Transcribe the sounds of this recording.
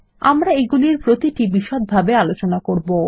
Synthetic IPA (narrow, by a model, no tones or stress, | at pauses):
a̰mɾaeɡuliɾpɾot̪iʈibiʃot̪̚bʱabealot͡ɕonakoɾbo